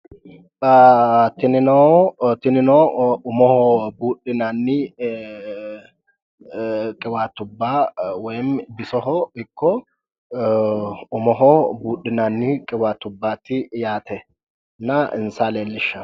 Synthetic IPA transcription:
t̪ɪnɪnoːt̪ɪnɪnoːʊmɔhobuːᶑɪnaːnːiː | kʼɪwaːt̪ːʊbːaːwɛjnbɪsɔhɔɪkːɔ | ʊmɔɦɔːbuːᶑɪnaːnːiːkʼɪwaːt̪ːʊbːaːt̪ːɪjaːt̪ɛ | nɐɪ̰nsaːleːlːɪʃɐ

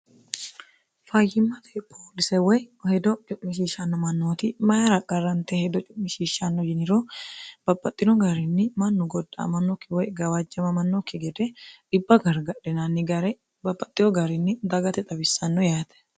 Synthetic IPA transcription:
fɐjːɪmːɐt̪ʰeːpʰːoːlɪsɛwɔjhɛd̪ɔt͡ʃʼʊʔmɪʃiːʃɐnːɔmɐnːoːt̪ɪmɐjɐɾɐkʼːɐrːɐnt̪ɛhɛd̪ɔt͡ʃʼʊʔmɪʃiːʃːɐnːɔd͡ʒɪnɪɾob̥ɐpʼːɐt̪ʼːɪnɔɡɐɾɪnːɪmɐnːʊɡɔd̪ːɐ̰mɐnːɔkːɪwɔjɡɐwad͡ʒːɛmɐmɐnːokːɪɡɛd̪ɛᶑɪbːɐɡɐɾɡɐᶑɛnɐnːɪɡɐɾɛ | bɐpʼːɐt̪ʼːɪjɔɡɐɾɪnːɪd̪ɐɡɐt̪ɛt̪ʼɐbɪsːɐnːɔjaːt̪ɛ̥

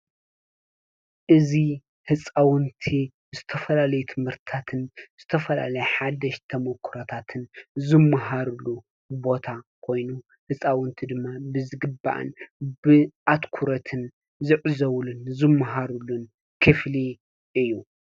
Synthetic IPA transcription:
ʔɨzi | hɨt͡sʼawɨnt̪ʰi | zɨt̪ʰɐfɐlalɐjut̪ʰɨmhɨɾt̪t̪ʰat̪ʰɨnz̥ɨt̪ʰɐfɐla̰lɐjħad̪ɐʃt̪ʰɐmɐkʰːɾɐt̪ʰat̪ʰɨnzɨmːaɦaɾulu | bo̞t̪ʰakʰo̞jnu | hɨt͡sʼawɨnt̪ʰid̪ɨmːabɨzɨɡɨba̰ʔɨ̰nbɨʔat̪kʰuɾɐt̪ʰɨn | zɨʕzɐwlunzɨmːaɦaɾulun | kʰɨfli | ʔɨjːu

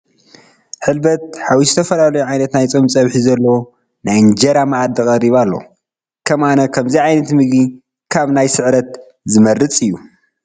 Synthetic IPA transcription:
ħɨlbɐt̪̚ħawizɨt̪ʰɐfɐlalɐjuʕajnɐt̪najt͡sʼomt͡sʼɐβħizɐlːɐw | najɨnd͡ʒɐɾamaʔad̪ɨkʼɐriβalːo̰ | kʰɐmanɐkʰɐmziʕajnɐt̪mɨɡi | kʰaβnajsɨʕɾɐt̪̚ | zɨmɐɾɨt͡sʼɨjːu

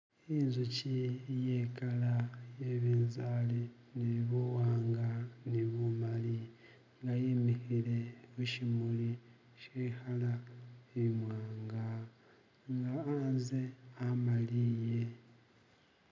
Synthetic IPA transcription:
inzucijekalajeβiːnzali | niβowaːŋɡaniβumali | ŋɡajimihile̞βuʃimuli | ʃeːhalaeimwaːŋɡa | ŋɡaːnzeamalije̞

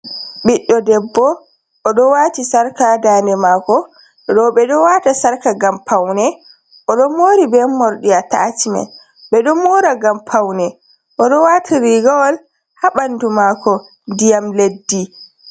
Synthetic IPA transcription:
ɓiɗːɔdɛbːɔ | ʔːɗɔwaːtisaɾkadaːnɛmakɔ | ɗɔɓɛɗɔwatasaɾkaɡampʰawnɛ | ʔɔɗɔmoɾibɛmːɔɾɗiata̰t͡ʃimɛ̰ | ɓɛɗɔmɔɾaɡampʰawnɛ | ʔɔɗɔwatʰiɾiɡawɔl | haɓandumaːkɔ | ndijamledːi

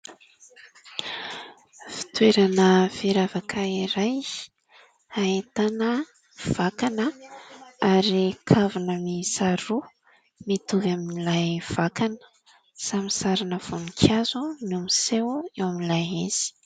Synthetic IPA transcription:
fi̥t̪weɾanəv̥iɾavakʰaiɾaj | aet̪anə | v̥akanə | aɾikʰavunəmisaɾu | mit̪uvaminilajv̥akanə̥ | samisaɾanəv̥onikʲʰazunumisewewamilajez̥i̥

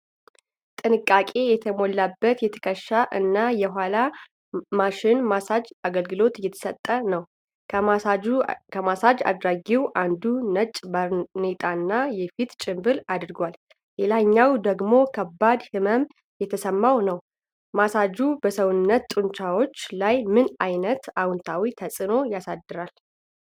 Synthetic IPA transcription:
t̪ʼɨnɨkʼːakʼe̞jɛt̪ʰəmo̞lːabːət̪jɛt̪ʰə̥kʰəʃːaʔɨnːajɛɦʷala | maʃɪnmasad͡ʒaɡəlɡɨlo̞t̪jɛt̪ʰə̥sət̪ʼːənəw | kʰəmasad͡ʒa̰d̪ɾaɡiwʔand̪unət͡ʃʼbne̞t̪ʼaɨnːajɛfit̪t͡ʃʼɪmbɨlad̪ɾɡwal | lelaɲːawd̪əɡmo̞kʰəbːad̪hɨməm | jɛt̪ʰəsəmːawnəw | masad͡ʒubəsəwʊnːət̪t̪ʼɨnt͡ʃawo̞t͡ʃːlajmɨnajnət̪awʊnt̪ʰawit̪ʰəsʼɨno̞jasad̪ːɨɾal

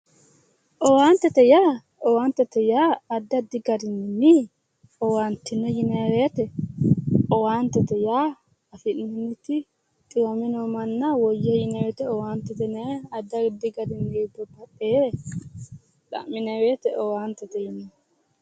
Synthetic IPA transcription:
ʔɔwaːnt̪ɛt̪ɛjaː | ɔwaːnt̪ːɛt̪ɛjaːɐd̪ːɐd̪ɪɡɐd̪ɪnɪni | ɔwaːnt̪ːɪnːɛjɪnɛweːt̪ɛ | ɔwaːnt̪ːɛt̪ɛjaː | ɐfɪʔnɪnːɪt̪ɪ | t̪ʼɪwɐmɪnɔmɐnːɐwɔjːɛjɪnɛwɛt̪ɛɔwaːnt̪ɛt̪ɛnɛɐd̪ːɐɡd̪ɪɡɐd̪ɪnːib̪ɔbɐtːe | ᶑɐ̰mːɪnɛweːt̪ɛʔɔwaːnt̪ːɛt̪ɛjɪnɛ

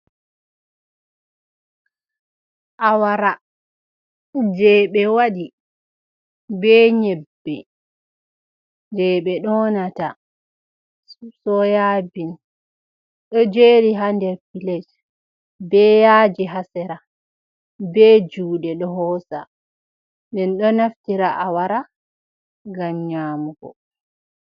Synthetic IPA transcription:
ʔawaɾa | d͡ʒɛɓɛwaɗi | bɛɲɛbːɛ | d͡ʒɛɓɛɗɔnata | sɔjaːbin | ɗɔd͡ʒeɾiɦandɛɾpilɛd͡ʒ | bɛjaːd͡ʒiɦasɛɾa | bɛːd͡ʒuːɗɛɗɔɦɔːsa̰ | ndɛnɗɔnaftiɾaʔawaɾa | ɡamɲaːmuɡɔ̰

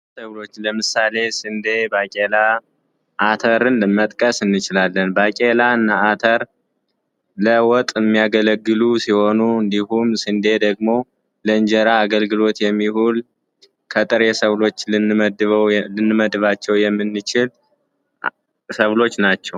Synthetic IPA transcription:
səβlo̞t͡ʃːləmɨsale̞sɨnd̪e̞bakʼela | ʔat̪ʰəɾɨnlɨmːət̪ʼkʼəsɨnːɨt͡ʃɪlalːənbakʼelaɨnːaat̪ʰəɾ | ləwɔt̪ʼɨmːijaɡələɡːɨlusiho̞nuɨnd̪ihumsɨnd̪e̞d̪əɡmo̞ | ləɨɲd͡ʒəɾaːɡəlɡɨlo̞t̪jɛmːihul | kʰət̪ʼɨɾesəβlo̞t͡ʃːlɨnːɨməd̪ɨβəwlɨnːɨməd̪ɨβat͡ʃːɛwjɛmːɨnːɨt͡ʃɪl | səβlo̞t͡ʃːnat͡ʃːɛw

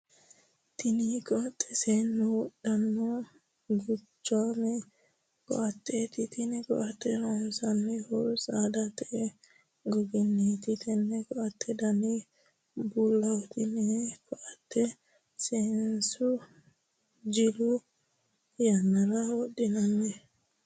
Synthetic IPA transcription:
t̪ɪnikɔʔɐt̪ʼːɛ̥seːnːɔwɔɗɐnːɔ | ɡʊt͡ʃːanɛ | kɔ̰ʔɐt̪ːet̪ɪt̪ɪnɛkɔ̰ʔɐt̪ːɛnɔnsɐnːɛhɔɾsad̪ɐt̪ɛʔɛ | ɡɔɡɪnːet̪ɪt̪ɛnːɛkɔʔɐt̪ʰːɛd̪ɐnɛ | bulːɐwɔt̪ɪnɛkɔʔɐt̪ːɛ | sensʊ | d͡ʒɪlʊ | jɐnːɐɾɐwɔɗːɪnɐnːɛ

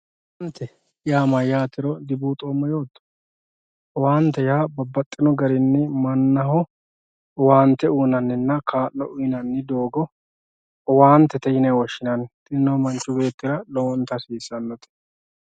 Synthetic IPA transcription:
wɐnt̪ʰːɛ | ɪjaːmɐjaːt̪ɪɾɔd̪ɪbuːt̪ʼoːmːɐjo̞ːt̪ːɔ̥ | ɔwaːnt̪ːɛjaːbɐbːɐt̪ʼːɪnɔɡɐɾɪnːɪmɐnːɐɦɔ | ɔwaːnt̪ːɛuːnɐnːɪnːɐkʰaːlːɔʔʊɪnɐnːɪd̪oːɡɔ | ɔwaːnt̪ːɛt̪ɛjɪnɛwɔʃɪnɐnt̪ʼɪnːɔmɐnt͡ʃːʊbe̞ːt̪ːɪɾɐlɔwɔnt̪ːɐsiːsːɐnːɔt̪ɛ̥

